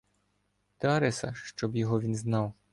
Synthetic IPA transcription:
t̪eɐɾɛsɐʃt͡ʃɔbjɔɦɔʋʲinznɑw

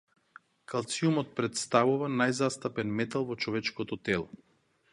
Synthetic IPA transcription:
kʰalˠt̪siumɔt̪̚pɾɛt̪st̪avuvanajzast̪apɛnmɛt̪alˠvɔt͡ʃɔvɛt͡ʃkɔt̪ɔt̪ɛlˠɔ

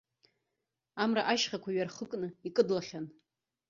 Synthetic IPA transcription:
amraʔaʃχʲakʷʰaɥarχəkʼnɨikʼɨdlaχʲan

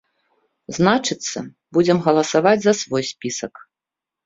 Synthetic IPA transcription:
znat͡ʂɨt̪sːɐ̰ | bud͡zʲɛmɣɐlˠɐsavad͡zʲzɐsvɔjsʲpʲisɐk

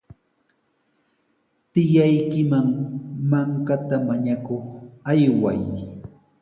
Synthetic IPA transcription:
t̪ɪjajkɪmaŋmaŋkat̪amaɲakoχajwa̰j

